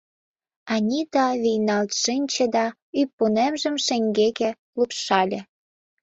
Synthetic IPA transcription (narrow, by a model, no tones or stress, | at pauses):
ɑnʲit̪ɑβijnɑlt̪ʃɨnʲt͡ɕĕd̪ɑ | ypːunemʒə̆mʃeŋɡekĕ | lupʃɑlʲĕ